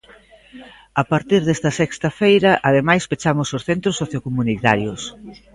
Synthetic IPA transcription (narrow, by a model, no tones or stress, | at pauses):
ɐpaɾt̪iɾðest̪ɐsɛkst̪ɐfejɾɐʔɐðemajspet͡ʃamʊsosθent̪ɾosːoθjokomunit̪aɾjʊs